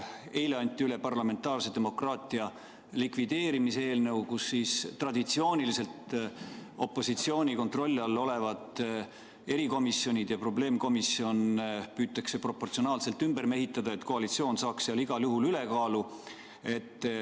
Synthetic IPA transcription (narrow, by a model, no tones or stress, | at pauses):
e̞jleɑnʲt̪ːˑiylepɑrlɑme̞nt̪ːˑɑːrse̞d̪̥e̞mo̞krɑːt̪ˑiɑ | likvid̪̥e̞ːɾimisee̞ːlnɤwɡusːiːst̪rɑd̪̥it̪sio̞ːnʲilise̞lt̪ | o̞pːˑo̞sit̪sio̞ːnʲiko̞nt̪ro̞lʲːɑlːo̞le̞vɑd̪ˑ | e̞ɾiko̞misjo̞nʲid̪̥jɑpro̞ble̞ːmko̞misio̞npyːt̪ːˑɑkse̞pro̞pːo̞rt̪sio̞nɑːlse̞lt̪ːymberme̞ɦit̪ːˑɑd̪̥ɑe̞t̪ko̞ɑlit̪sio̞ːnsɑːksːeɑliɡ̥ɑljuɦulyle̞kɑːlu | e̞t̪ːˑ